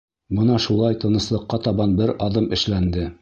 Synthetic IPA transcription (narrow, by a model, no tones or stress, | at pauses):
bɤnɑʃulˠɑjt̪ɤ̆nɤ̆slˠɤ̆qːɑt̪ɑβɑnbɘɾɑðɤmɘ̆ʃlænd̪ɘ